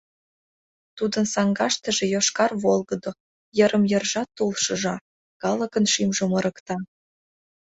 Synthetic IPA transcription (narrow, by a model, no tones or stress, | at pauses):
t̪ud̪ənsɑŋɡɑʃt̪ə̆ʒĕjoʃkɑrβolˠɣə̆d̪o | jəɾəmjərʒɑt̪ːolʃɤ̆ʒɑ | kɑləkənʃimʒoməɾə̆kt̪ɑ